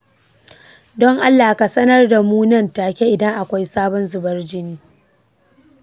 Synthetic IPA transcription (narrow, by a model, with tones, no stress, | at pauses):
dɔ˦ŋʔa˦lːaː˨ka˨sɐ˦nɐ˦rda˨muː˦nɐ˦˨ntaː˨kʲe˦ʔɪ˨dɐ˦ŋʔa˨kʷa˦jsaː˦bɔ˦nzʊ˨bɐ˦rd͡ʒɪ˦niː˦